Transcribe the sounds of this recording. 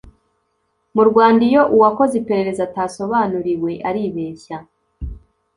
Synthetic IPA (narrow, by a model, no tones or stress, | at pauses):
muɾɡwaːndijo̞ʔuwako̞zipe̞ɾe̞ɾe̞zataːso̞βaːnuɾiwe̞ʔaɾiβe̞ːça